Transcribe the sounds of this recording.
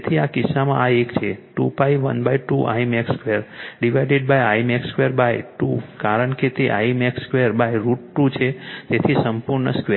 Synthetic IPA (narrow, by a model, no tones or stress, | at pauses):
t̪ʰiakɪsːamã̰aekt͡ʃʰeʈṵpaiʋə̰nbaiʈuʔa̰imekskʋeəɾɖiʋajɖeɖ̚bajajmekskʋeɾbajʈukaɾəɳket̪eʔaimekskʋeəɾbajɾuʈ̚ʈut͡ʃʰet̪et̪ʰisəmpuɾɳə̰ske